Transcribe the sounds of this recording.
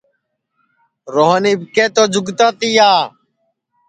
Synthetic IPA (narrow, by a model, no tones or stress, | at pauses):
ɾoːɦəniːbkeːt̪oːd͡ʒʊɡt̪ãːt̪iːjaː